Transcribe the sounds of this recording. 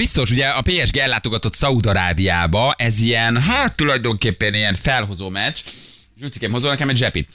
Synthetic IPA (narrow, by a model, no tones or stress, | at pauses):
b̥ist̪o̞ʃuɟɛɒpeːɛʒɡeːɛlːaːt̪o̞ɡɒt̪o̞t̪sɒud̪ɒɾaːbija̰ːbɒʔɛziɛnɦat̪ːulɒjd̪o̞ŋkeːpːɛnijɛɱfɛlɦo̞zoːmɛt͡ʃ | ʒyːsi̥kemho̞zoːlnɛkɛmɛɟʒɛpḭt̪